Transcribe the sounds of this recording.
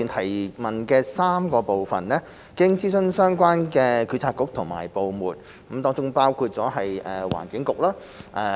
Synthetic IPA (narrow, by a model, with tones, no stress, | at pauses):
iː˨nt̪ʰɐ˨˩jmɐ˨nkɛː˧saː˥mkɔː˧po˨wfɐ˨nlɛː˥ | kɪ˥ŋt͡siː˥sɵ˥nsœː˥ŋkʷaː˥nkɛː˧kʰy˨˥t͡sʰaː˧kːʊ˨˥k̚t̪ʰʊ˨˩ŋma̰ː˨˩jpo˨wmṵː˨t̚ | kɐ˨˥mt̪ɔː˥ŋt͡sʊ˥ŋpaː˥wkʰuː˧t̚t͡sɔː˨˥ɦɐ˨jʔɛː˨wa̰ː˨˩nkɪ˨˥ŋkʊ˨k̚laː˥ | ʔɛ˧